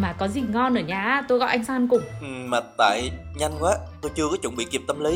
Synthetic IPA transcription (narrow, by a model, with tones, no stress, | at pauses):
maː˨˩kɔ˨˦zi˨˩ŋɔ˧nʔəː˧˩ɲaː˧˩˧t̪o˧jkɔ̰˧˨ʔa˧jŋ̟saː˧nkʊ˨˩ŋ͡mʔɨ˨˩maː˨˩t̪a̰ː˧˨jɲa˧jŋkwaː˨˦t̪o˧jt͡ɕɨ˧əkɔ˨˦t͡ɕʊ̰˧˩nŋ͡mɓḭ˧˨ki˨˩ət̪ə˧mlə˨˦